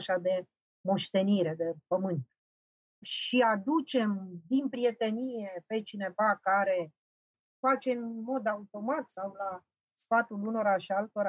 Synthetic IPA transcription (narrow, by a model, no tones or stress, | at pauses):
ʃad̪e̞ | mo̞ʃt̪e̞niɾe̞d̪e̞pəmɨnt̪̚ | ʃiad̪ut͡ʃe̞md̪inpɾie̞t̪e̞nije̞pe̞t͡ʃine̞vakaɾe̞ | fat͡ʃe̞ɨnmo̞d̪aut̪o̞mat̪sawla | sfat̪uluno̞ɾaʃialt̪o̞ɾa